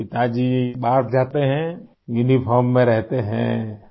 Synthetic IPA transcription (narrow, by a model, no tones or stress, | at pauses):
pɪt̪ad͡ʒibaːʈd͡ʒaːt̪eɦɛ̃ | junipʰɔːɾmːẽɾɛɦt̪eɦɛ̰̃ː